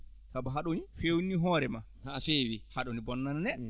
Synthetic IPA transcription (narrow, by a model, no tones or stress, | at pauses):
sabɔɦaɗonifewniɦɔːɾɛma | hafewihaɗɔnibɔnːananɛ